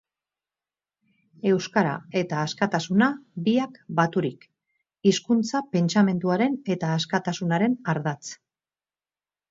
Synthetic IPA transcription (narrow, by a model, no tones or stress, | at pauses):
e̞wskaɾa̰e̞t̪aːskat̪asunabiakbat̪uɾik | iskunt͡sape̞nt͡ʃame̞nd̪uaɾe̞ne̞t̪aːskat̪asunaɾe̞naɾðat͡s